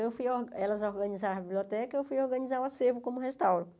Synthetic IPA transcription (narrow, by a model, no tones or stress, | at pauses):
ewfujoɛlɐzoɾɡɐnizaɾɐbibliot̪ɛkɐewfujoɾɡɐ̃nizaɾwasevʊkõmʊɦest̪awɾõ